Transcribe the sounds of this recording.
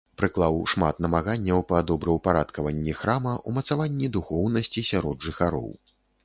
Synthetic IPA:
pɾɨklˠawʂmat̪nɐmaɣanʲːɐwpɐd̪ɔbɾɐwpaɾat̪kɐvɐnʲːixɾamɐʔumɐt̪savanʲːid̪uxɔwnɐsʲt͡sʲisʲaɾɔd̪ʐɨxaɾɔ̰w

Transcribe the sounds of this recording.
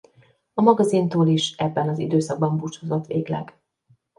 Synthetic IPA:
ɒmɒɡɒzint̪oːliʃɛbːɛnɒzid̪øːsɒɡ̚bɒmbut͡ʃhozot̪ʋeːɡlɛ̰ɡ

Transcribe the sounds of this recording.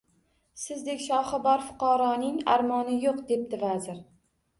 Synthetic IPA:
sɪzd̪ekʲʃɒχɨbɒɾfʊ̥qʰɑɾɒnɪŋa̰ɾmɒnɪjoqd̪e̞p̚d̪ɪvazɪɾ

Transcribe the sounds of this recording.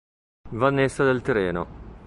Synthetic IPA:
vanːesːad̪elt̪eɾeːno̰

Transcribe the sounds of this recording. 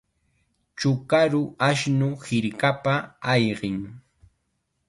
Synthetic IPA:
t͡ʃʊkaɾʊʔaʃnʊhɪɾkapaːjɢɪŋ

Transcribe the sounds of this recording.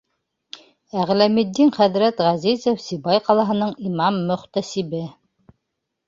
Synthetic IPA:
æʁlæmid̪ːinχæðɾæt̪ʁæzizofsibɑjqɑlˠɑɦɤ̆nɤɴimɑmːɵ̆χt̪æsibɘ

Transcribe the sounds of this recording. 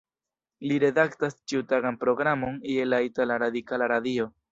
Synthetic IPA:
liɾe̞daktast͡ʃiutaɡanpɾo̞ɡɾamo̞nielaitalaɾadikalaɾadio̞

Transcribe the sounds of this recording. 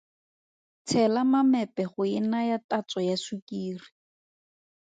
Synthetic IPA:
t͡sʰɛlamamɛpɛχʊɪnajatat͡sɔjasukʼiːri̥

